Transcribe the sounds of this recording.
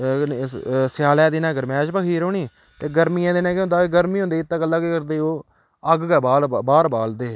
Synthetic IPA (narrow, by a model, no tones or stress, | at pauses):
sɪjaːlɛːd̪iːnãːɡəɾmɛ̃ːʃbəkʰiːɾoːniː | t̪eːɡəɾmijãːd̪eːnãːkːʊ̃nd̪aːeɡəɾmiːɦõnd̪eiːɪt̪ːãːɡəlːaːɡeːkəɾd̪eːoː | əɡɡɛːbaːlbaːɾbaːld̪eː